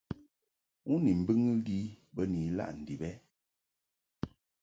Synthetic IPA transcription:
u˦ni˨m̩˨bɨ˦ŋɨ˦li˦bə˦ni˨˦la̰˦˨ʔn̩˨di˨bɛ˦

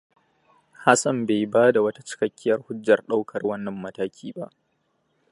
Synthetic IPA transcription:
ha˦sɐ˨mbe˨jbaː˦da˨wɐ˦tḁ˦t͡ʃɪ̥˦kɐ˦kʲːɪ˦jɐ˦rhʊ˦d͡ʒːɐ˨rɗa˦wkʰɐ˨rwɐ˦nːɐ˨mːɐ˦taː˦kʲʰiː˦ba˦ʔ

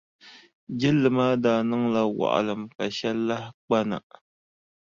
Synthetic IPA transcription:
d͡ʒɪ˦lːɨ˨maː˦daː˨nɨ˦ŋla˦wa̰˨ʔa̰˨lɨ˨mka˨ʃɛ˦lːa˦hk͡pa˦na̰˨

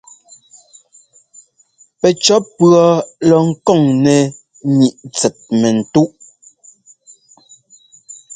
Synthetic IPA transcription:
pɛ˨t͡ʃɔ˨˦pɰɔ˨˦lɔ˨ŋ̩˦kɔ˦˨ŋnɛ˨ | ɲi˨ʔt͡sɛ˨t̚mɛ˨n̩˨tu˦ʔ

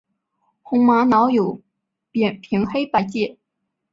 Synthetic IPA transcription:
xʊ˧˥ŋma˧˥nɑ˧˥ʊjo˨˩ʊ | pjɛ˨˩npʰi˧˥ŋxe˥ɪpa˧˥ɪt͡ɕjɛ˥˩

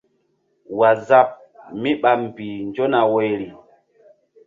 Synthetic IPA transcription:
wa˨za˦p̚ | mi˦ɓa˨m˨bi˨nd͡ʒo˦na˨we˨jɾi˨

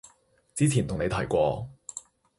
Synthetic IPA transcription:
t͡siː˥t͡sʰiː˨˩nʰʊ˨ŋne˨˧t̪ʰɐ˨˩jkʷɔː˧

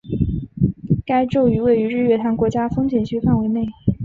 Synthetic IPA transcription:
ka˥ɪʈ͡ʂo˥˩ʊy˧˥we˥˩ɪy˧˥ɻ̩˥˩ɥɛ˥˩t̪ʰa˧˥nkwɔ˧˥t͡ɕja˥fɤ˥ŋt͡ɕjɛ˨˩nɕʰy˥fa˥˩nwe˧˥ɪne˥˩ɪ

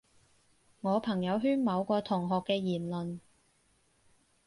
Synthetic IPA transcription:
ŋɔː˨˧pʰɐ˨˩ŋjɐ˨˧wɦyː˥nmɐ˨˧wkɔː˧t̪ʰʊ˨˩ŋɦɔː˨kːɛː˧jiː˨˩nlɵ˨n

